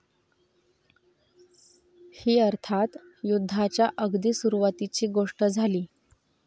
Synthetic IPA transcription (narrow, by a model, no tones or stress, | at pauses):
hiːəɾt̪ʰat̪ | jud̪ʱːat͡ɕjaʔəɡd̪iːsuɾuʋat̪it͡ɕiːɡoʂʈəd͡zʱaliː